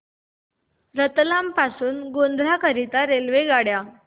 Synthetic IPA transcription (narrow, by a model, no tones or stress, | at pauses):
ɾət̪lampasuːnɡond̪ɾ̤akəɾit̪aɾelʋeɡaɽja